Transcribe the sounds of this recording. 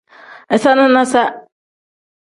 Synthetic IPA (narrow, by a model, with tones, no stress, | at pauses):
ɛ˨sa˦nʊ̃˦nã˦sa˦